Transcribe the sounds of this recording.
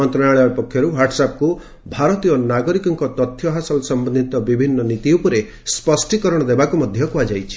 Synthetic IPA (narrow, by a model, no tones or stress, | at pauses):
ɔnt̪ɾɔɽaɭapɔkʰjɔɾuwaɾʈsap̚ku | bʱaɾɔt̪iɔnaɡɔɾikɔŋkɔt̪ɔt̪ʰːjɔɦasɔlsɔmbɔnd̪ʱit̪ɔbibʱinːɔnit̪iupuɾe | spɔsʈikɔɾɔɽ̃ɔd̪ebakumɔd̪ʱjɔkuad͡ʒajt͡ʃʰi̥